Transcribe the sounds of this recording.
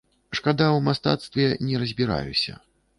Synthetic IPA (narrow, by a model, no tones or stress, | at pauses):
ʂkad̪awmast̪a̰t̪st̪vʲɛnʲɛɾɐzʲbʲiɾa̰jṵsʲɐ̰